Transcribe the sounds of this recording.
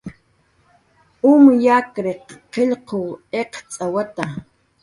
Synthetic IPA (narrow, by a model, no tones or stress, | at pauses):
ʊmjakɾeqːeʎqoweqt͡sʼawat̪a